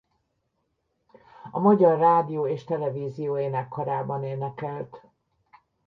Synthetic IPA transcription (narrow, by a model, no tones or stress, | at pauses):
ɒmɒɟɒrːaːd̪ijoːeːʃt̪ɛlɛviːzijoːjeːnɛkːoɾaːbɒneːnɛkɛlt̪